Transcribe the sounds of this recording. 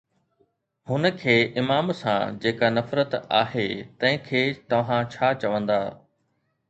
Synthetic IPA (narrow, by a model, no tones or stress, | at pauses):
hʊnə̆kʰeːʔɪmaːmsã̰d͡ʑeːkanɐfɾət̪a̰ːɦeːt̪ɐ̃ɦɪ̃kʰeːt̪ɐʋ̤ãt͡ɕʰaːt͡ɕɐʋə̃nd̪aː